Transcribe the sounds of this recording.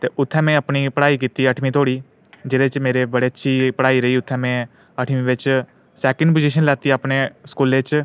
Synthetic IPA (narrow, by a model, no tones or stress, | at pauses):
t̪eːʔʊt̪ʰːɛ̃ːmɛ̃ːəpniːpəɽaːiːkiːt̪iːəʈʰmĩːt̪ʰoːɽiː | d͡ʒeːɾeːt͡ʃmeːɾeːbəɽeːətːʃʰiːpəɽaːiːɾəiːʊt̪ʰːɛ̃ːmɛ̃ː | əʈʰmĩːʋɪt͡ʃ | sɛːkə̃ɳɖp̬od͡ʒiʃ̬ənlɛːt̪iːaːpneːskuːleːt͡ʃ